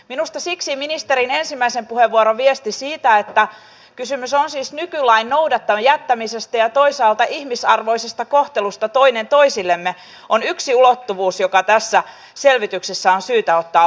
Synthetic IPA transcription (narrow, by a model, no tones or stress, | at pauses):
minust̪ɑsiksiminist̪eɾine̞nsimːæisempuheʋːuoɾoʋiest̪isiːt̪æet̪ːæ | kysymysonsiːsnykylæinnowdɑt̪ːɑmɑjæt̪ːæmisest̪æjɑt̪o̞isɑːlt̪ɑʔihmisɑrʋo̞isest̪ɑkoht̪elust̪ɑt̪o̞inent̪o̞isilːemːe | onyksiulot̪ːuʋuːsjokɑt̪æsːæ | selʋit̪yksesːæonsyːt̪æot̪ːɑː